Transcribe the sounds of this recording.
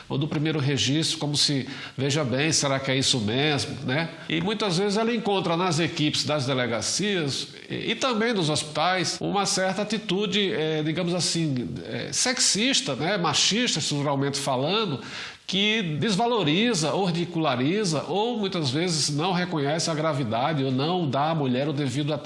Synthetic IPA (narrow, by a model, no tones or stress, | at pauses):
o̰d̪ʊpɾimejɾʊɦeʒiʃt̪ɾʊkõmʊsɪ | veʒɐbẽj̃seɾakɪɛisʊmezmʊ̰nɛ | ɪ̰mũj̃t̪ɐzvezɪzɛlɐẽkõnt̪ɾɐnɐzekipɪ̥zd̪ɐzd̪eleɡasiɐz | ɛ̰ɪt̪ɐ̃mbẽj̃d̪ʊzospi̥t̪ajsṵ̃mɐsɛɾt̪ɐat̪it̪ud͡ʒɪɛd͡ʒiɡɐ̃mʊzasĩɛ̰seksiʃt̪ɐnɛmaʃiʃt̪ɐʃt̪ɾut̪uɾawmẽnt̪ɪfalɐ̃d̪ʊ | kɪd̪ezvaloɾizɐohid͡ʒikulaɾizɐ̰ʔowmũj̃t̪ɐzvezɪznɐ̃w̃ɦekõɲɛsɪɐɡɾavid̪ad͡ʒɪonɐ̃w̃d̪aːmuʎɛɾʊd̪evid̪ʊat̪